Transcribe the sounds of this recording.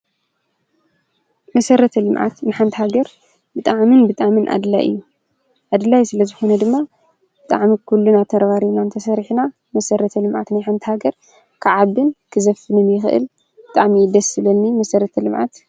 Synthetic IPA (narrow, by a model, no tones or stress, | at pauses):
mɐsɐɾɐt̪ʰɐlɨmʕa̰t̪nɨħant̪ʰihaɡɐɾ | bɨt̪ʼaʕmɨnbɨt̪ʼaʕmɨnʔa̰d̪la̰jʔɨ̰jːu | ʔad̪lajsɨlɐzɨxo̞nɐd̪ɨmːa | bɨt̪ʼa̰ʕmikʰulːunat̪ʰɐɾɐβaɾiβnant̪ʰɐsɐɾħna | mɐsɐɾɐt̪ʰɐlɨmʕa̰t̪najħant̪ʰihaɡɐɾ | kʰɨʕaβɨnkʰɨzɐfɨnɨmjɪxɨʔɨ̰l | bɨt̪ʼaʕmid̪ɐsɨlɐnːimɐsɐɾɐt̪ʰɐlɨmʕa̰t̪